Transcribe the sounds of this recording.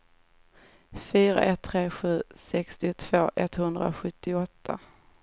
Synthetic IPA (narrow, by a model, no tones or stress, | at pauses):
fyːɾa̰ʔɛt̪ʰːɾeːɧʉ̟ːsɛkst̪ɪʊt̪ʰv̥oːʔɛt̪hɵnd̪ɾa̰ɧɵt̪ʰːɪɔt̪ʰːa